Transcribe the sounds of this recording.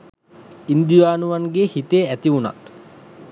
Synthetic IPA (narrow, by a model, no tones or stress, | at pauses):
ind̪ijaːnuʋanɡehit̪eæt̪iuna̰t̪